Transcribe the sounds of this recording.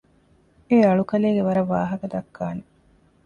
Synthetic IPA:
eɐɭukɐleːɡeʋɐɾɐʋːaːɦɐkɐd̪ɐkːaːne

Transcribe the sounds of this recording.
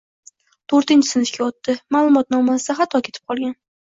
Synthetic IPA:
t̪ʰoɾt̪ɪnt͡ʃʰɪ̥sɪnɪfkʲʰaɒt̪ːɪmalˠʊmɒt̪̚nɒmasɪd̪aχat̪ʰɒkʲʰe̞t̪ʰɪ̥p̚qʰɒlˠɡʲan

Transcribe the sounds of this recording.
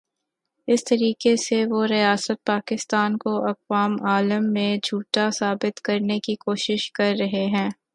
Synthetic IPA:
ɪst̪ɐɾiːkeseʋoɾijaːsət̪̚paːkɪst̪aːnkoʔɐqʋaːmaːləmːẽd͡ʒʱuːʈasaːbɪt̪kɐɾnekikoːʃɪʃkɐɾːɐɦeɦɛ̃ː

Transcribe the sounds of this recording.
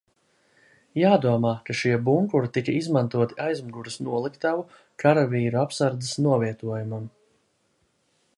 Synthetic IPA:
jaːd̪uɔmaːkaʃiɛbuŋkuɾit̪ikaizmant̪uɔt̪iajzmuɡuɾɐsnuɔlˠikt̪avu | kʰaɾaviːɾuapsaɾd̪zɨsnuɔviɛt̪uɔjumam

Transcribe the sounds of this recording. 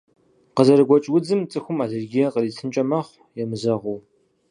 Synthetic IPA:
qəzɐɾɨɡʷɔt͡ʃʼwʊd͡zɨmt͡sʼɨxʷʊmaːɮɨrɡʲijɐqəriːt͡sʰɨnt͡ʃʼɐmɐχʷ | jɛmɨzɐʁuw

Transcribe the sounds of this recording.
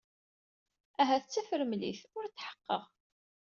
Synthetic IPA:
æɦæθət͡sːæfəɾəmlḭθʊɾt͡sːħə̥qːə̰ʁ

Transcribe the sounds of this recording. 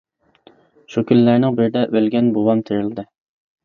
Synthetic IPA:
ʃukʲʰynlæɾnɪŋbɪɾd̪ɛʔølɡʲɛnbowɑmt̪ʰeɾɪld̪ɨ

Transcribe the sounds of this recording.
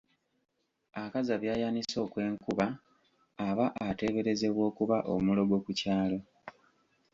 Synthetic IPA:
akazaβjaːjaniso̞ːkwe̞ːŋkuβaː | βaʔate̞βe̞ɾe̞ze̞βwo̞ːkuβaʔo̞̰mulo̞ɡo̞kucaːlo

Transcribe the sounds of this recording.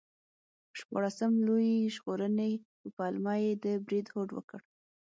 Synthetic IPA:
ʃpɑ̰ɽasəmlojiʒɣoɾəne | əpɑlmɑjed̪əbɾid̪hoɖwə̰kəɽ

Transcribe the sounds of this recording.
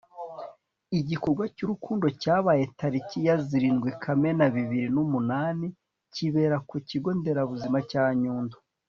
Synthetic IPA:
iɟikoɾɡwacuɾukuːndo̞caːβaːje̞taɾicijaziɾiːnɡwikʰame̞naβiβiɾinumunaːni | ciβe̞ːɾakuciɡo̞nde̞ɾaβuzimacaːɲuːndo̥

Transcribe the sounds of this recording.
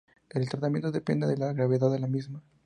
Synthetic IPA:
elt̪ɾat̪amjent̪oðepend̪eðelaɣɾaβeðaðelamizma

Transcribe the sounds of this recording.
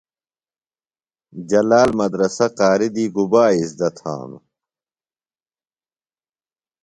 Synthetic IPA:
d͡ʑɐlaːlmɐd̪ɾɐsɐqaːɾid̪iːɡubaːisd̪ɐt̪ʰa̰ːm

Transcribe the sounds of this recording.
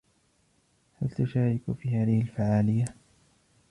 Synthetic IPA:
halt̪ʊʃaːɾɪkfiːhaːðɪhɪlfaʕaːlɪjːa

